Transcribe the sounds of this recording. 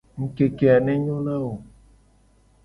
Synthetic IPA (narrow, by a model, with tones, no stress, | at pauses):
ŋ̩˦ke˨ke˨a˨nɛ̃˦ɲõ˦la˦o˨